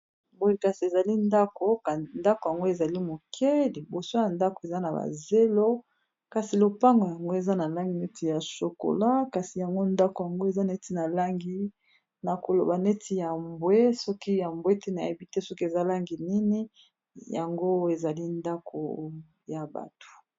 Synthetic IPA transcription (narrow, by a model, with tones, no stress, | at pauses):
bo˦˨ka˨si˨e˨za˨li˦nda˦ko˦ka˨nda˦ko˨ja˨ŋɡo˦e˨za˨li˦mo˨kʰe˦li˨bo˨so˦ja˨nda˦ko˨e˨za˦na˨ba̰˨ze˦lo˦ | ka˨si˨lo˨pa˦ŋɡo˨ja˨ŋɡo˦e˨za˦na˨la˦ŋɡi˨ne˦ti˨ja˨so˨ko̰˨la˦ka˨si˨ja˨ŋɡo˦nda˦ko˨ja˨ŋɡo˦e˨za˦ne˦ti˦na˨la˦ŋɡi˦ | na˨ko˨lo˨ba˨ne˦tʰi˦ja˨mbwe˦sɔ˦ki˦ja˨mbwe˦tɛ˦na˨je˦bi˦te˦sɔ˦ki˦e˨za˦la˦ŋɡi˨ni˦ni˦ | ja˨ŋɡo˦e˨za˨li˦nda˦kʰo̰˨ | ja˨ba̰˨to̥˨